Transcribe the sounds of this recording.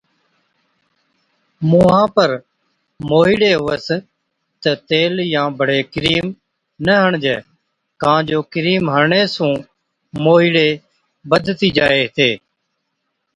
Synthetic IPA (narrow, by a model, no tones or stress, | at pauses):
muːɦãːpəɾ | moːɦiːɽeːɦʊːəs | t̪ət̪eːljãːbʱəɽeːkɾiːm | nəɦəɳd͡ʒḛː | kãːd͡ʒoːkɪɾiːmɦəɾɳeːsũː | moːɦiːɽeː | bəd̪ʱt̪iːd͡ʒaːeːɦt̪eː